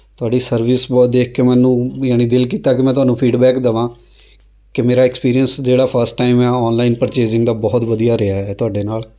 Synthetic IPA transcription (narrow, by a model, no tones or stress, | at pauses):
t̪ʊaːɖiːsəɾʋɪsbɔːd̪eːkʰkemɛ̃ːnũːjaːniːd̪ɪlk̬iːt̪aːkɪmɛ̃ːt̪ʊɦaːnũːpʰiːɖbɛːkd̪əʋãː | kɪmeːɾaːɪkspiːɾijənsd͡ʒeːɽaːpʰəɾsʈːaːimɛːɔːnlaːinpəɾt͡ʃeːd͡ʒɪŋɡd̪aːbɔːt̪ʋəd̪ijaːɾɪaɦɛːt̪ʊaːɖeːnaːl